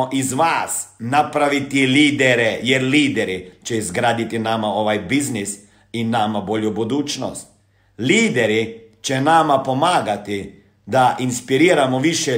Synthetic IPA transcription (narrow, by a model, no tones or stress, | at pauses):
ʔizʋasnapɾaʋit̪iliːd̪ɛɾɛjɛɾliːd̪ɛɾit͡ʃɛizɡɾaːd̪it̪inamaoʋajbiznis | inːamaboːljubud̪uːt͡ʃno̰st̪ | liːd̪ɛɾit͡ʃɛnamapomaːɡat̪i | d̪aʔinspiɾiːɾamɔʋiʃjɛ